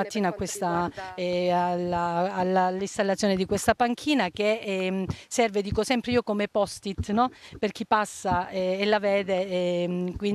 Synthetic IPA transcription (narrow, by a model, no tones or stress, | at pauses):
at̪ːiːnaːkːwest̪a | alaalːalːist̪alːat̪sjoːned̪ikwest̪apaŋkʰiːnak̟e | sɛrved̪iːkosɛmpɾeiːokomepɔst̪it̪nɔperk̟ipasːaɛːlːavɛːd̪e | kwi